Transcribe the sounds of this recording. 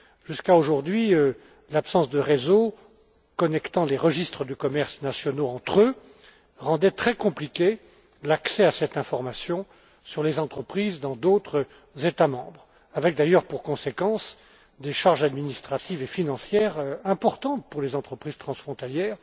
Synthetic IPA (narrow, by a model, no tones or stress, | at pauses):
ʒyskaoʒuʁd̪ɥiø | lapsɑ̃sd̪əʁezo | kɔnɛkt̪ɑ̃leʁəʒist̪χəd̪əkɔmɛʁsnasjɔnoɑ̃t̪χø | ʁɑ̃d̪ɛt̪χɛkɔ̃plikʲe | laksɛasɛt̪ɛ̃fɔʁmasjɔ̃ | syʁlezɑ̃t̪χəpχizd̪ɑ̃d̪ot̪χə | zet̪amɑ̃bʁ | avɛk̚d̪ajœʁpuʁkɔ̃sekɑ̃s | d̪eʃaʁʒad̪minist̪χat̪ivefinɑ̃sjɛʁøɛ̃pɔʁt̪ɑ̃t̪̚puʁlezɑ̃t̪χəpχiz̥t̪χɑ̃sfχɔ̃t̪aljɛːʁ